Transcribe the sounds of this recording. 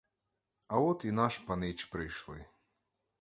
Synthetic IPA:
ɐɔt̪inɑʃpɐnɪt͡ʃpɾɪjʃlˠɪ

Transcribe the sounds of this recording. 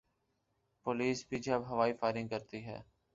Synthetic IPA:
pʊliːsbʱid͡ʒəbɦəʋaːifaːɪɾɪ̃ŋɡkəɾt̪iɦɛ̰ː

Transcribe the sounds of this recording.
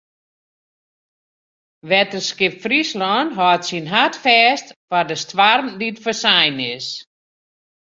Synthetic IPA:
ʋɛtərskɪpfrislɔnɦɔːtsinɦatfɛːstfadəstwarmditfəsajnɪs

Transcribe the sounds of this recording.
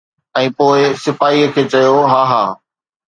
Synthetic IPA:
ɛ̃ːpoːɪsɪfaːiəkʰeːt͡ɕɐjoɦaːɦaː

